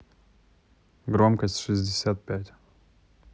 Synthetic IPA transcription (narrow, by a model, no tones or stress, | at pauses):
ɡɾo̞mkəsʲtʲʂɨzʲdʲɪsʲat̪̚pʲætʲ